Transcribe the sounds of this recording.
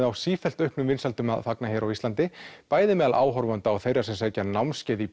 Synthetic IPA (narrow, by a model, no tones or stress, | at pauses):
ðawsiːfɛl̥t̪œhpnʏmvɪnsalt̪ʏma̰ðfaknaçɛɾawist̪ant̪ɪpaːjðɪmɛːðalʔa̰ːwɦɔɾvant̪aɔwθejrːasɛmsɛcanawmscɛːði